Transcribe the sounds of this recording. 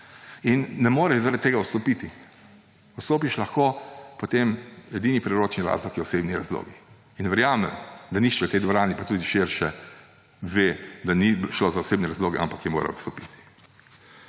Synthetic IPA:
inːɛmoːɾɛʃzaɾat̪̚t̪eːɡaɔt̪st̪ɔpit̪i | ɔt̪st̪oːpiʃlaxkopɔt̪emɛd̪iːnipɾɛɾoːt͡ʃniɾa̰ːzlɔkjɛɔsebniɾazlo̰ːɡi | inʋɛɾjaːmɛ̰md̪anixt͡ʃɛt̪ɛjd̪ʋɔɾaːnipat̪uːd̪iʃeɾʃɛ | ʋeːd̪aniʃloːzaɔseːbnɛɾazloːɡɛʔa̰mpakjɛmo̰ːɾa̰ɔt̪st̪ɔpit̪i̥

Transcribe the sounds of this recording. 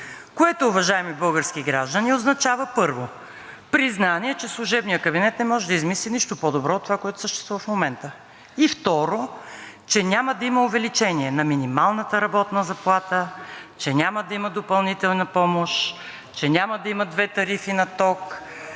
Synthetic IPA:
koɛt̪oːvɐʒaɛmibɤlˠɡəɾsk̟iɡɾaʒd̪ənioznɐt͡ʃavəpɤɾvo | pɾiznaniɛt͡ʃɛslˠʊʒɛbnijəkəbinɛt̪nɛmɔʒɛd̪ɐizmisliniʃt̪opɔd̪obɾɔot̪ːovakoɛt̪ʊ̥səʃt̪ɛst̪vuvəfmomɛnt̪ə | ift̪ɔɾot͡ʃɛnʲaməd̪ɐimɐovɛlit͡ʃɛniɛnɐminimalˠnət̪əɾɐbɔt̪nəzɐplˠat̪ət͡ʃɛnʲaməd̪ɐiməd̪opɐlˠnit̪ɛlˠnɐpɔmoʃ | t͡ʃɛnʲamɐd̪ɐimɐd̪vɛt̪ɐɾifinɐt̪ɔk

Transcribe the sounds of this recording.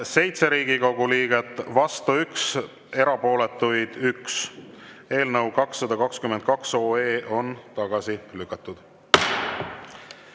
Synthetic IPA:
se̞jt̪se̞ɾiːɡ̥iko̞ɡ̥uliːɡ̥et̪ːˑvɑst̪uyks | e̞ɾɑpo̞ːlet̪ːˑujd̪̥yks | e̞ːlnɤwkɑksːɑd̪ɑkɑkskymend̪̚kɑkso̞ːeːʔo̞nt̪ɑɡ̥ɑsilykːˑɑt̪ːˑud̪̥

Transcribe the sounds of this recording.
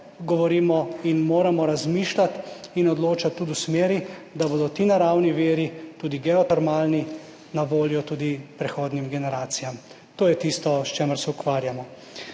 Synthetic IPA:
ɡɔʋɔɾiːmɔinmoːɾamɔɾazmiːʃlat̪inɔd̪loːt͡ʃat̪ːud̪usmeːɾid̪aboːd̪ɔt̪iːnaɾawniʋeːɾit̪uːd̪iɡɛɔt̪ɛɾmaːlni | naʋoːljɔt̪uːd̪ipɾɛxoːd̪nimɡɛnɛɾaːt̪sijam | t̪oːjɛt̪ist̪ɔst͡ʃɛːməɾsɛukʋaːɾjamɔ

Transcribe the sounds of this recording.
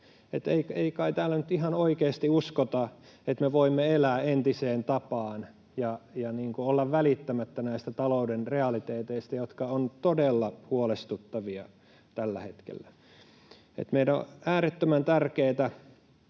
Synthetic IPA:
et̪eikeikɑit̪æːlːænyt̪ihɑnoikeːst̪iuskot̪ɑ | et̪meʋoimːeelæːent̪iseːnt̪ɑpɑːn | jɑjɑniːŋkuolːɑʋʋælit̪ːæmæt̪ːænæist̪æt̪ɑloudenreɑlit̪eːt̪eist̪æjot̪kɑont̪odelːɑhuolest̪ut̪ːɑʋiɑ̰ | t̪ælːæ̰het̪kḛlːæ | ḛt̪meidæo̰æːɾet̪ːømænt̪ærkeːt̪æ

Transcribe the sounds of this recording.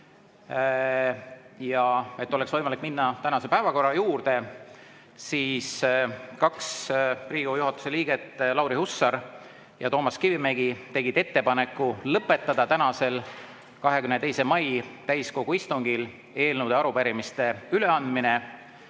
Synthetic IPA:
jɑe̞t̪ːˑo̞leksvɤjmɑlik̚minːɑt̪ænɑse̞pæevɑko̞rːɑjuːrd̪e̞ | siːskɑkspriːɡ̥ujuɦɑt̪ːˑu̥se̞liːɡ̥e̞t̪ːˑlɑwɾihusːɑɾ | jɑt̪o̞ːmɑskivimeɡit̪e̞ɡ̥id̪̥e̞t̪ːe̞pɑne̞kːˑulɤpːˑe̞t̪ːˑɑd̪̥ɑt̪ænɑse̞l | kɑɦe̞kymnet̪e̞jse̞mɑjt̪æjsko̞ɡ̥uist̪uŋɡ̥il | e̞ːlnuwd̪̥eɑɾupæɾimist̪e̞yle̞ɑnd̪mine

